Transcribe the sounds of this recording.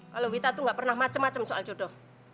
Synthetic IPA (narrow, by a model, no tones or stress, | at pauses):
kalowit̪at̪uŋɡaʔpərnahmat͡ʃəmːat͡ʃəmsoʔa̰ld͡ʒ̥o̤ɖ̥ɔh